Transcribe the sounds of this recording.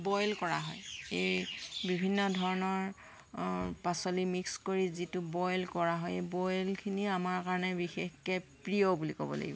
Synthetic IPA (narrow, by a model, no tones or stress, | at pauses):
bɔjlkɔɹa̰ɦɔjejbibʱinːɔdʱɔɹɔnɔɹ | pasolimikskoɹizitʊbɔjlkɔɹaɦɔjebɔjlkʰiniamaɹkaɹɔnɛbixexkɛpɹiobulikɔ̰bɔ̰la̰ɡibɔ